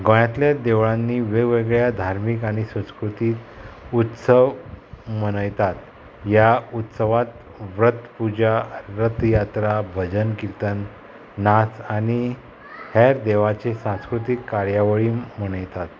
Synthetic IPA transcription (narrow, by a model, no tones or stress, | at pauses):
ɡə̃ɭjat̪ljad̪eʋɭãnːiːʋeɡʋeɡɭjad̪ʱaɾmikaɽ̃isə̃skɾut̪iːt̪ut̪səʋməɽ̃əjt̪at̪ | jaut̪səʋat̪ | ʋɾət̪pud͡ʑaɾət̪jat̪ɾabʱəd͡ʑənkiɾt̪ənː | asaɽ̃i | hɛɾd̪eʋat͡sesãskɾut̪ikːaɾjaʋəɭiːməɽ̃əjt̪at̪